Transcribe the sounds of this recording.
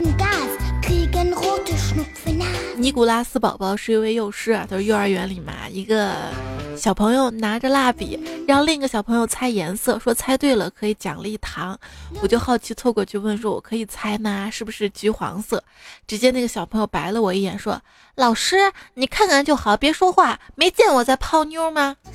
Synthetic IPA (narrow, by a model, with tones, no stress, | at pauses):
n˨ka˥˩kʰɤ˧˥i˨˩kə˥nɣo˥˩ʈ͡ʂu˥˩ʂnu˧˨˩fu˥˩na˥˩ni˧˥ku˨˩la˥sɹ̩˥pɑ̰˨˩ʊpɑ˥˧ʊʂɻ̩˥i˥we˥˧ɪjo˥˩ʊʂɻ̩˥a̰˨˩t̪ʰʂɻ̩˥˧jʊə˞˧˥ɥɛ˧˥nli˨˩ma̰˧˥i˧˥ɡə˧ɕjɑ˨˩ʊpʰɤ˧˥ŋjo˧ʊna˧˥ʈ͡ʂə˧la˥˩pḭ˨˩˦ɻa˧˥˧ʊli˥˩ŋi˧˥ɡə˧ɕjɑ˨˩pʰɤ˧˥ŋjo˧ʊt͡sʰa˥ɪjɛ˧˥nsɤ˥˧˩ʂwɔ˥t͡sʰa˥ɪt̪we˥˩ɪlə˩kʰɤ˧˥i˨˧˥t͡ɕjɑ̰˨˩ŋlə˦i˥˩t̪ʰɑ˧˥ŋwɔ˨˩t͡ɕjo˥˧ʊxɑ˥˩ʊt͡ɕʰi˧˥t͡sʰwɔ˥˧kwɔ˥˧t͡ɕʰo˥˧wə˥˩nʂwɔ˥wɔ̰˨˩kʰɤ˧˥i˨˩t͡sʰa˥ɪna˧ʂɻ̩˥˩bu˩ʂɻ̩˥˩t͡ɕy˧˥xwɑ̰˧˥ŋsɤ˥˩ | ʈ͡ʂɻ̩˧˥t͡ɕjɛ˥na˥˩ɡə˩ɕjɑ˨˩ʊpʰɤ˧˥ŋjo˧ʊpa˧˥ɪlə˧wɔ˨˩i˥˩jɛ̰˨˩nʂwɔ̰˥ | lɑ˨˩ʊʂɻ̩˥ni˨˩kʰa˥˩nkʰa˥˩nt͡ɕjo˥˩ʊxɑ˨˩˦ʊpjɛ˧˥ʂwɔ˥xwa˥˩me˧˥ɪt͡ɕjɛ˥˩nwɔ˨˩t͡sa˥˧ɪpʰɑ˥˧ʊnjɔ˥mɐ˧